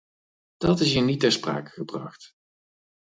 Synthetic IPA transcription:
d̥ɑtɪs̬initɛɹspra̰ːkə̥χəbrɑ̰χt

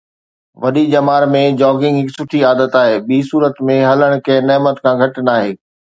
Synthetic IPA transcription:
ʋɐɗid͡ʑɐmaːɾmẽd͡ʑɔːɡɪ̃ŋɡɦɪksʊʈʰiaːd̪ət̪aːɦeːɓiːsuːɾət̪mẽɦɐləɽ̃kɐ̃ɦɪ̃nɐːmət̪kʰãːɡʱɐʈnaːɦeː

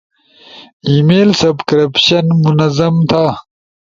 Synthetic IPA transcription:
imeːlsɐbkɐɾɐpɕɐnmunɐzɐmt̪ʰa

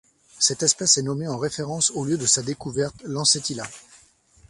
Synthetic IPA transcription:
sɛt̪ɛspɛsɛnɔmeɑ̃ʁefeʁɑ̃soljød̪əsad̪ekuvɛʁt̪lɑ̃set̪ila

